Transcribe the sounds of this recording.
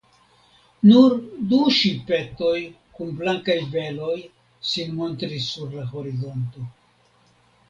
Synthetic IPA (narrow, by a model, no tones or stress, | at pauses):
nuɾduʃipe̞to̞j | kunblaŋkajve̞lo̞j | sinmo̞ntɾisːuɾlaho̞ɾizo̞nto̞